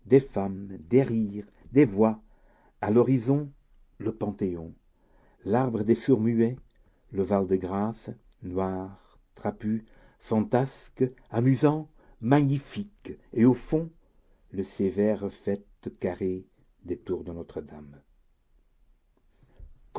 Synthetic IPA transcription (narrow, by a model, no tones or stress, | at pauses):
d̪efamd̪eʁiːʁ | d̪evwa | alɔʁizɔ̃ | ləpɑ̃t̪eɔ̃ | laʁbʁəd̪esuʁmye | ləvald̪əɡʁas | nwaʁ | t̪χapy | fɑ̃t̪askamyzɑ̃ | maɲifikeofɔ̃ | ləsevɛʁfɛt̪kaʁe | d̪et̪uʁd̪ənɔt̪χəd̪am | k